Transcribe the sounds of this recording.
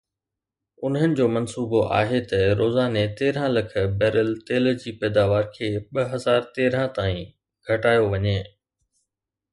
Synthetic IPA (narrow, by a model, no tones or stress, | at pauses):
ʊnɦənɪ̆d͡ʑoːmɐnsuːboʔa̰ːɦet̪ɐɾoːzaːnet̪eːɾ̤ãlɐkʰə̆bɛːɾəlt̪eːld͡ʑiːpɛːd̪aːʋaːɾkʰeːɓɐɦɐzaːɾt̪eːɾãt̪aːĩ | ɡʱɐʈaːjoʋɐɲeː